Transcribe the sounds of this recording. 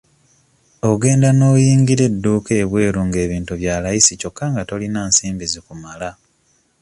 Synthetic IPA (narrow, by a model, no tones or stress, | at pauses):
o̞ɡe̞ːndano̞ːjiːŋɡiɾe̞dːuːke̞ːβwe̞ːɾuŋɡe̞ːβiːntuβjaːlajisico̞kʰːaŋɡato̞linaːnsiːmbizikumala